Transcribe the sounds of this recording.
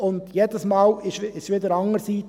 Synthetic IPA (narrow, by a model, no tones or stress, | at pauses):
ʊnd̪jeːdəsmɑːlɪʃɪʃʋɪdəɾɑŋəɾsiː